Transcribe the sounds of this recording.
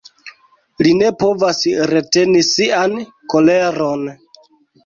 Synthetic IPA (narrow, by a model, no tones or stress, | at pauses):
line̞po̞vasɾe̞te̞nisian | ko̞le̞ɾo̞n